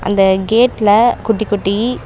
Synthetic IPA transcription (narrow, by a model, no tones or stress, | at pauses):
ʔɐ̰nd̪ɐɡeːʈːlɐkʊʈːɪkːʊʈːi